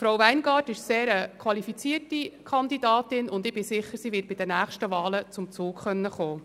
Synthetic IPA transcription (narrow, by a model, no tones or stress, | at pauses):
fɾowʋæɪnɡɑːtɪʃseːɾəkʰʋɑlifit͡siːərtikʰɑndidɑːtɪnʊnd̪ɪbɪsɪχːəɾsiːʋɪt̚bɪd̥ənæːχʃtəʋɑːlət͡sʊmt͡suːkχœnːəχoː